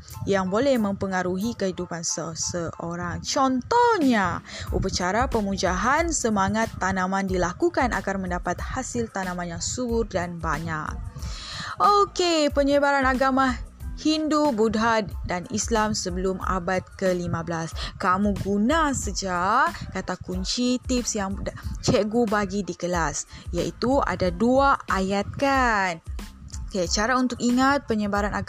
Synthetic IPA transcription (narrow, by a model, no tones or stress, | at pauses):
jaŋbolɛhmə̃mpəŋaɾuɦikəhidupansəsəʔoɾaŋt͡ʃɔnt̪ɔhɲaʔṵpət͡ʃaɾapəmud͡ʒaɦansəmaŋat̪ːanãmãndilakukanʔa̰ɡarmə̃ndapat̪̚hasɪlt̪anãmãnjaŋsubʊrdanbaɲak̚ | ʔokepəɲəbaɾanaɡamãhindubudɦat̪danislamsəbəluma̰bat̪̚kəlimãbəlaskamũɡunãsəd͡ʒaʔkat̪akuɲt͡ʃit̪ipsjaŋt͡ʃɛɡubaɡidikəlasjaʔit̪ua̰daduaajat̪̚kanoket͡ʃaɾaunt̪ʊk̚iŋat̪̚pəɲəbaɾanaɡ